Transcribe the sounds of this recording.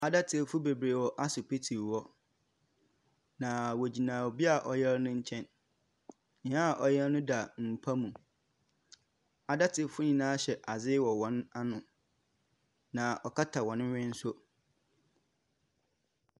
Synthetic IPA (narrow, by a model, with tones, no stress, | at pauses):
a˨da˦tʰɪ˨fʊ˦be˨bɾeː˨wɔ˦ʔa˦sʊ˨pe˦tʰi˨ɔ˦ | nã˨wo˨d͡ʑi˨nãː˨wo˨bi˦a˨ʔɔ˨jɛ˦ɾnʊ̃˦ɲ̩˦t͡ɕʰɛ̃˦n | ɲɪ̃˦ã˦˨ʔɔ˨jɛ˦lnʊ̃˦da˨m̩˨pʰa˦mũ˨ | a˨da˦tʰɪ˨fʊ˦ɲĩ˨nãː˦ɕɛ˨ʔa˨zɪ˦wɔ˨wɔ̃˨˦na˦nʊ̃˨ | nã˨ʔɔ˨kʰa˦tʰa˨wɔ̃˨nʊ̃˦ɥɪ̃˦n̩˦sʊ˦